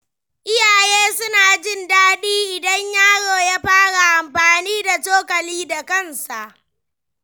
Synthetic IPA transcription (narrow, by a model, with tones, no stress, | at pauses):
ʔɪ˦jaː˨jeː˦sʊ˦naː˨d͡ʒɪ˦˨ndaː˦ɗiː˦ʔɪ˨dɐ˦ɲjaː˦ɽoː˨ja˦ɸaː˦ɽa˨ʔa˨mɸaː˨niː˦da˨toː˦kɐ˨liː˦da˨kɐ˦˨nsa˨ʔ